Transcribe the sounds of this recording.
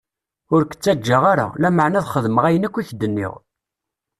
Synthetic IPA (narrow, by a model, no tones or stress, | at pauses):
ʊɾkə̥t͡sːæd͡ʒːaʁaɾa̰læməʕnæðχəðməʁæjənækʷːiçd̪ənːḭʁ